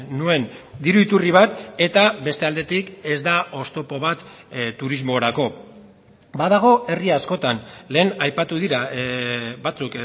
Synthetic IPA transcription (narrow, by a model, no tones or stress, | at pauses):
nue̞nd̪iɾuit̪uriβ̞at̪e̞t̪abe̞st̪e̞ald̪e̞t̪ike̞zd̪ao̞st̪o̞po̞βat̪ | t̪ːuɾizmo̞ɾako̞ | bað̞aɣ̞o̞e̞riasko̞t̪anle̞ːnajpat̪uðiɾa | bat͡suk